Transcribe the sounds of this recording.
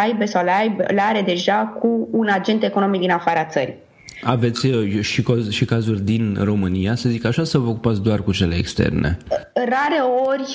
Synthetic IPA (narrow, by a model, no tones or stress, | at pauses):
ajbesawlajblaɾe̞d̪e̞ʒakuːnad͡ʒe̞nt̪e̞ko̞no̞mik̚d̪inafaɾəat̪səɾi | ave̞t̪sʲʃikozʃikazurʲd̪inro̞mɨnijasəzikaʃasəvəokupat̪sʲd̪oarkut͡ʃe̞leːkst̪ḛrnḛraɾe̞o̞rʲ